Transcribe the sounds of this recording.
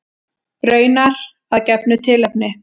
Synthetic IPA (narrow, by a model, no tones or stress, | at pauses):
ɾœːɥnaɾ | aðcɛpnʏt̪ʰɪːlɛp̚nɪ